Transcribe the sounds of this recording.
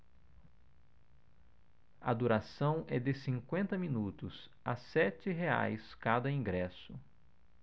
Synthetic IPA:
ɐd̪uɾasɐ̃w̃ʔɛd̪ɪsĩŋkwẽnt̪ɐmĩnut̪ʊs | asɛt͡ʃɪɦea̰jskad̪ɐĩɡɾɛsʊ

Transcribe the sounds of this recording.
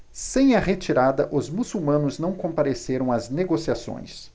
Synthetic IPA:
sẽj̃ɐʁet͡ʃiɾad̪ɐʔʊzmusuwmɐ̃nʊznɐ̃w̃kõmpaɾeseɾɐ̃w̃ɐzneɡosiasõ̰j̃s

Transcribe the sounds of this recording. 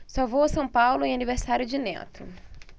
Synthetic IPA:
sawvowɐsɐ̃w̃pawlʊẽaniveɾsaɾjʊd͡ʒɪnɛ̰t̪ʊ̰

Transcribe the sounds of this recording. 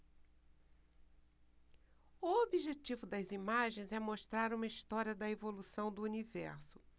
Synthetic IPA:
ʊobiʒet͡ʃivʊd̪ɐzimaʒẽj̃zɛmoʃt̪ɾaɾũmɐist̪ɔɾiɐd̪ɐevolusɐ̃w̃d̪ʊunivɛɾsʊ̥

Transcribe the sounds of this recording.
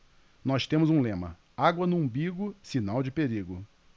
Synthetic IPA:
nɔst̪ẽmʊzũlẽmɐ̰ | aɡwɐnʊũbiɡʊsinawd͡ʒɪpeɾiɡʊ

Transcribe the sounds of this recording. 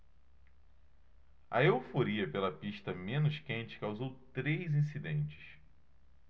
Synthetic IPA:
ɐ̰ewfoɾiɐpelɐpiʃt̪ɐmẽnʊʃkẽnt͡ʃɪ̥kawzowt̪ɾejzĩs̬id̪ẽnt͡ʃɪ̥s

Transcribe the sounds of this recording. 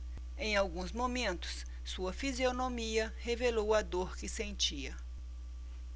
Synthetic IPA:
ẽj̃awɡũzmomẽnt̪ʊ̥s | suɐfizionomiɐhevelowɐd̪oɾkɪsẽnt͡ʃiɐ

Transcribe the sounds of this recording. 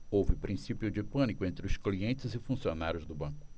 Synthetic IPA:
owvɪpɾĩsipjʊd͡ʒɪpɐ̃nikʊẽnt̪ɾɪʊskliẽnt͡ʃɪzɪfũsionaɾjʊzd̪ʊbɐ̃kʊ̥

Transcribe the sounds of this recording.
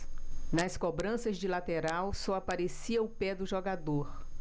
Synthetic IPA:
nɐskobɾɐ̃sɐzd͡ʒɪlat̪eɾawsɔapaɾesiɐʊpɛd̪ʊʒoɡad̪oɾ

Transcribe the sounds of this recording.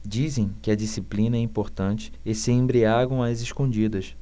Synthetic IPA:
d͡ʒizẽj̃kɪɐd͡ʒisiplĩnɐɛĩpoɾt̪ɐ̃nt͡ʃɪ̥ɪsɪẽmbɾiaɡɐ̃w̃ɐzeʃkõnd͡ʒid̪ɐʃ

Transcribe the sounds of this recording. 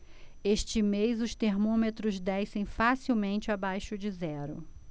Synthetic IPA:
eʃt͡ʃɪmejzʊst̪eɾmõmet̪ɾʊzd̪ɛjsẽj̃fasiwmẽnt͡ʃɪabajʃʊd͡ʒɪzɛɾʊ̰

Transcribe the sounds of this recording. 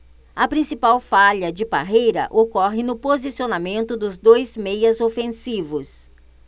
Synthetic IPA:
ɐpɾĩsipawfaʎɐd͡ʒɪbaɦejɾɐ̰ʔokɔɦɪnʊpozisionamẽnt̪ʊd̪ʊzd̪ojzmejɐzofẽsivʊs

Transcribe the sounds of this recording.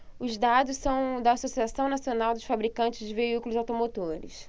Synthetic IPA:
ʊzd̪ad̪ʊssɐ̃w̃d̪ɐːsosiasɐ̃w̃nasionawd̪ʊʃfabɾikɐ̃t͡ʃɪzd͡ʒɪveikulʊzawt̪omot̪oɾɪ̰s

